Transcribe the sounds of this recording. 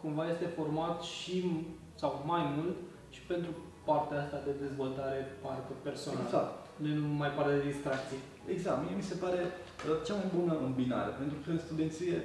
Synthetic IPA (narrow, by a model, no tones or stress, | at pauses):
kumvaje̞st̪e̞fo̞rmat̪ʃi | sawmajmult̪ | ʃi̥pe̞nt̪ɾu | part̪eaast̪ad̪e̞d̪e̞zvo̞lt̪aɾe̞park̪epe̞rsonala | nenumajpard̪ed̪ist̪ɾak̚t̪si | eɡzak̪mjemise̞paɾe̞ | ət͡ʃamajbunəɨmbina̰ɾḛpe̞nt̪ɾufelst̪ud̪e̞nt̪sije